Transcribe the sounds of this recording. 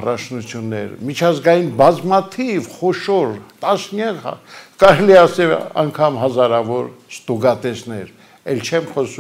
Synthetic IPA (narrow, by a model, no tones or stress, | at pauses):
ɑrɑt͡ʃʰnut͡sʰjunːɛɾ̰mit͡ʃʰɑzɡɑjinbɑzmɑt̪ʰivχɔʃɔɾt̪ɑsnjɑlɑ̰kɑɾɛliɛɑsɛlɑ̰ŋkʰɑmhɑzɑɾɑvɔɾst̪uɡɑt̪ɛsnɛɾ | ɛlt͡ʃʰɛmχɔsu